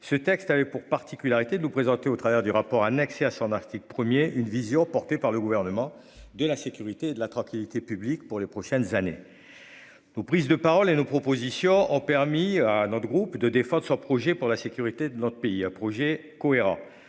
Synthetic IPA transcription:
sət̪ɛkst̪avɛpuʁpaʁt̪ikʲylaʁit̪ed̪ənupχezɑ̃t̪eot̪χavɛʁd̪yʁapɔʁanɛkseasɔ̃naʁt̪ik̚pχəmjeʔynvizjɔ̃pɔʁt̪epaʁləɡuvɛʁnəmɑ̃ | d̪əlasekʲyʁit̪eːd̪əlat̪χɑ̃kʲilit̪epyblikpuʁlepχɔʃɛnzanḛ | nopχizd̪əpaʁɔlenopχɔpozisjɔ̃ʔɔ̃pɛʁmianɔt̪χəɡʁupd̪əd̪efɑ̃d̪ʁəsɔ̃pχɔʒɛpuʁlasekʲyʁit̪ed̪ənɔt̪χə̥peiɛ̃pχɔʒɛ | kɔeʁɑ̰̃

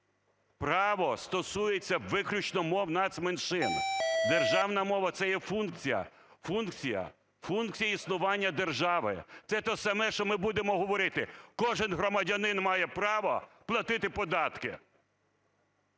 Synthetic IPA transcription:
pɾɑʋɔst̪ɔsujet͡sʲːɐʋɪklʲʊt͡ʃnɔmɔwnɑd̪smenʃɪnd̪erʒɑwnɐmɔʋɐt̪sɛjɛfunk̚t͡sʲijɐ̰ | funkt͡sʲijɐ̰ | funkt͡sʲijɐisnʊʋɑnʲːɐd̪erʒɑʋɪ̰t̪sɛt̪ɔsɐmɛʃt͡ʃɔmɪbud̪emɔɦɔʋɔɾɪt̪ɪkɔʒɪnɦɾɔmɐdʲɐnɪnmɑjɛpɾɑʋɔplˠɐt̪ɪt̪ɪpɔd̪ɑt̪kɪ̰

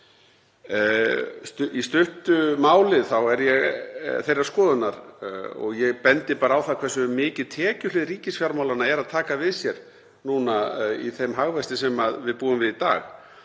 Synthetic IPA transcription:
st̪ist̪ʏht̪ʏmaːwlɪθawɛɾjɛɣθejrːḁskɔːðʏnaɾɔ̰ɣjɛɣpɛnt̪ɪpaːɾaawθakʰvɛrsʏmɪːcɪðt̪ʰɛːcʏlɪðɾiːcɪsfjaɾmawlanaɛɾaðt̪ʰaːkavɪðsjɛɾ | nuːnaḭθejmɦaɣvɛst̪ɪsɛmaðvɪðpuːʏmvɪðit̪a̰ːɣ

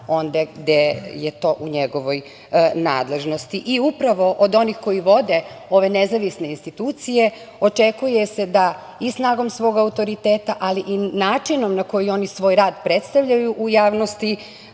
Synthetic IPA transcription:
o̞nd̪aɡd̪ejet̪o̞ːʔuɲeɡo̞ʋo̞j | na̰ːd̪le̞ʒno̞st̪iʔiupɾaʋo̞ʔod̪o̞nixko̞jiʋo̞d̪e̞o̞ʋe̞nezaʋisne̞inst̪it̪uːt̪sije̞ | o̞t͡ʃe̞kujese̞d̪a | isnaːɡo̞msʋo̞ɡaut̪o̞ɾit̪e̞ːt̪aʔaliʔinaːt͡ʃino̞mnako̞jio̞nisʋo̞ːjɾaːd̪pɾe̞t̪st̪aʋʎajuʔujaːʋno̞st̪i

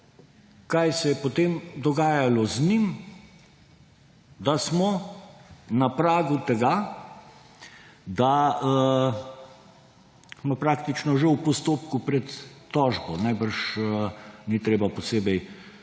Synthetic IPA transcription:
kajsɛjɛpɔt̪eːmd̪ɔɡaːjalɔznim | d̪asmɔ | napɾaːɡut̪ɛɡa | d̪aə | mapɾaːkt̪it͡ʃnɔʒɛwpɔst̪oːpkupɾɛt̪ːɔːʒbɔnajbəɾʃənit̪ɾeːbapɔseːbɛj

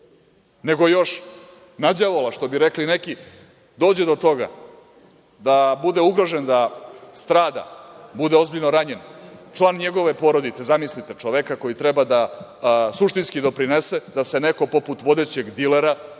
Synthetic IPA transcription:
ne̞ɡojo̞ʃ | nad͡ʑaʋolaʃt̪o̞biɾe̞kline̞ki | d̪o̞ːd͡ʑe̞d̪ot̪o̞ɡa̰ | d̪abud̪e̞uɡɾo̞ʒe̞nd̪ast̪ɾaːd̪a̰bud̪eo̞zbiʎno̞ɾaɲe̞nt͡ʃlˠaːnɲe̞ɡo̞ʋe̞po̞ɾo̞d̪it̪se̞zamislit̪et͡ʂoʋekako̞jit̪ɾebad̪a | suʃt̪inskid̪o̞pɾinese̞d̪ase̞ne̞ko̞po̞put̪ʋo̞d̪e̞t͡ɕe̞ɡd̪ileɾa

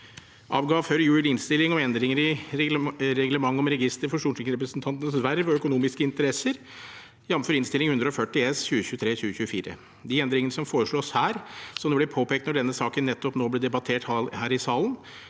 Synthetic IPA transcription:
ʔɑːʋɡɑːʋføːɾəjʉːɪlɪnst̪ɪlːɪŋɔɛnd̪ɾɪŋəɾɪ | ɾɛɡləmɑŋːɔmɾɛɡɪst̪əɾfɔʂuːʂɪkəɾɛpɾəsnt̪ʰɑnt̪ənəsʋæɾːəʋɔœkʊnuːmɪskəɪnt̪əɾɛsəɾ | jɛʋmføːɾɪnst̪ɪlɪŋhʉnd̪ɾəɔfœʈːɪɛsçʉːəçʉːt̪ʰɾeːɕʉːəɕʉːəfiːɾə̰ | d̪ɪɛnd̪ɾɪŋənəsɔmfoːɾəʂɭoːshæːɾsɔd̪ɛblɛpʰoːpeːkt̪nɔɖɛnːəsɑːkənːɛt̪ːɔpnoːblɛːd̪ɛbɑt̪ʰeːʈhɑlhæːɾɪsɑːlən

